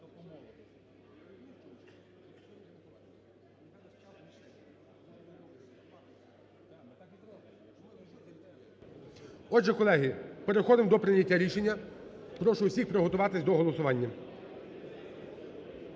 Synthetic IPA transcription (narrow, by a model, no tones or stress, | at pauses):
ɔʒɛkɔlˠɛɦɪpeɾexɔd̪ɪmd̪ɔpɾɪnʲɐtʲːaɾʲiʃenʲːɐpɾɔʃʊwsʲixpɾɔɦɔt̪ʊʋɑt̪ɪsʲd̪ɔɦɔlˠɔsʊʋɑnʲːɐ